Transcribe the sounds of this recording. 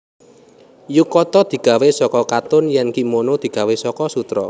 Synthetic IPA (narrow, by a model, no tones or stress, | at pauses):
jukɔt̪ɔd̪̥i̤ɡ̥a̤wesɔkɔkat̪ʊnjɛnkimonod̪̥i̤ɡ̥a̤wesɔkɔsut̪ɾɔ̰